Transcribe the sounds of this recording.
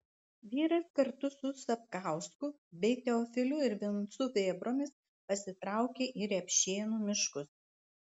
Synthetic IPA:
ʋʲiːɾɐskɐɾt̪ʊsʊsɐp̚kɑˑʊskʊ | bʲɛɪt̪ʲɛɔːfʲɪlʲʊɪɾʋʲɪnt̪sʊʋʲeːbɾoːmʲɪs | pɐsʲɪt̪ɾɑˑʊkʲeːʔiːɾʲɛpʲʃʲeːnuːmʲɪʃkʊs

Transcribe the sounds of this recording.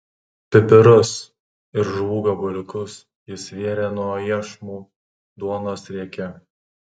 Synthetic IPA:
pʲɪpʲɪɾʊs | ɪɾʒʋuːɡɐbʊlʲɪkʊs | jɪsʋʲiɛɾʲeːnuɔjiɛʃmuː | d̪uɔnoːsɾʲiɛkʲɛ

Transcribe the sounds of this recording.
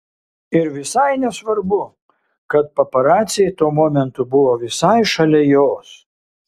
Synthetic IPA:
ɪɾʋʲɪsɐɪnʲɛsʋɐɾbʊ | kɐt̪̚pɐpɐɾɑːt̪sʲɪjɛɪt̪oːmoːmʲɛnt̪ʊbʊʋoːʋʲɪsɐɪʃɐlʲɛjoːs

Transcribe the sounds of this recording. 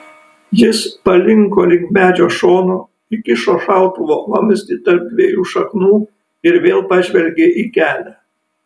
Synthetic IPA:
jɪspɐlʲɪŋkoːlʲɪŋkʲmʲæːd͡ʒʲoːʃoːnoː | ɪkʲɪʃoːʃɑˑʊt̪uʋoːklˠɐmʲsʲt̪ʲit̪ɐɾp̚d̪ʲʋʲejuːʃɐknuː | ɪɾʋʲeːlˠpɑːʒʲʋʲɛlʲɡʲeːʔiːkʲæːlʲæː

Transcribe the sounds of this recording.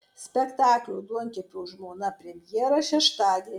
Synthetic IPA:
sʲpʲɛkt̪ɑːklʲuʊd̪uɔŋʲkʲɪpʲuːʒmoːnɐpʲɾʲɛmʲjiɛɾɐʃʲɛʃt̪ɑːd̪ʲi

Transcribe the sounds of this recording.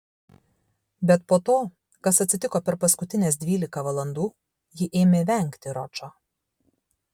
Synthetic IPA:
bʲɛt̪poːt̪oː | kɐsɐt̪ʲsʲɪt̪ʲɪkoːpʲɛɾpɐskʊt̪ʲɪnʲeːsd̪ʲʋʲiːlʲɪkɐʋɐlˠɐnd̪uː | jɪʔeːmʲeːʋʲɛˑŋʲˑkt̪ʲɪɾɔt͡ʃoː

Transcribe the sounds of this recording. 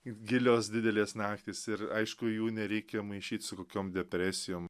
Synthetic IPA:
ɡʲɪlʲoːsd̪ʲɪd̪ʲɛlʲeːsnɑːkt̪ʲiːsɪɾɐɪʃkʊjuːnʲɛɾʲɛɪkʲemɐɪʃʲiːt̪ʲsʊkoːkʲoːmd̪ʲɛpʲɾʲæːsʲɪjoːm

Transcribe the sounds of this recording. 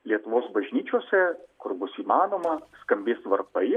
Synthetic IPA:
lʲiɛt̪ʊʋoːsbɐʒʲnʲiːt͡ʃʲuɔsʲɛkʊɾbʊsiːmɑːnoːmɐskɐmʲbʲeːst̪ʋɐɾkɐɪ

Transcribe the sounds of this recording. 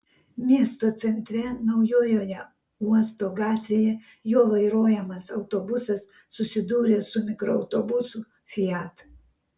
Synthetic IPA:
mʲiɛst̪oːt̪sʲɛnʲt̪ʲɾʲɛnɒʊjoːjoːjɛ | uɔst̪oːɡɑːt̪ʲʋʲeːjɛ | joːʋɐɪɾoːjɛmɐsɐʊt̪oːbʊsɐsːʊsʲɪd̪uːɾʲeːsʊmʲɪkɾoɐʊt̪obʊsʊ | fʲɪɑt̪

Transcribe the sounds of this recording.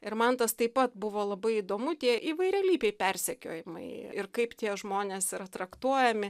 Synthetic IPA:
ɪɾmɐnt̪ɐst̪ɐɪpɐt̪̚bʊʋoːlˠɐbɐɪid̪oːmʊt̪ʲiɛʔiːʋɐɪɾʲɛlʲiːpʲɛɪpʲɛrʲsʲɛkʲo̰ːjɪmɐɪɪrkɐɪpt̪ʲiɛʒmoːnʲeːsɪɾɐt̪ɾɐkt̪uɔjɛmʲɪ

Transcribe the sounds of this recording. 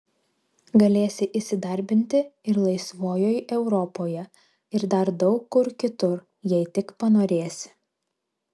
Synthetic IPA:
ɡɐlʲeːsʲɪʔisʲɪd̪ɐɾʲbʲɪnʲt̪ʲɪɪɾlˠɐɪsʋoːjoːjʔɛʊɾɔpoːjɛ | ɪɾd̪ɐɾd̪ɒʊkːʊɾkʲɪt̪ʊɾ | jɛɪt̪ʲɪkpɐnoːɾʲeːsʲɪ̥

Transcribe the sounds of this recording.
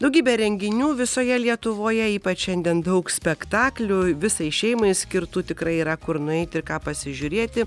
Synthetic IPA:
d̪ɐʊɡʲiːbʲɛɾʲɛŋʲɡʲɪnʲuːʋʲɪsoːjɛlʲiɛt̪ʊʋoːjɛiːpɐt͡ʃʃʲɛnʲd̪ʲɛnd̪ɐʊksʲpʲɛktt̪ɑːklʲuʋʲɪsɐɪʃʲɛɪmɐɪsʲkʲɪɾt̪uːt̪ʲɪkɾɐɪiːɾɐkʊɾnʊɛɪt̪ʲɪɾkɑːpɐsʲɪʒʲuɾʲeːt̪ʲɪ

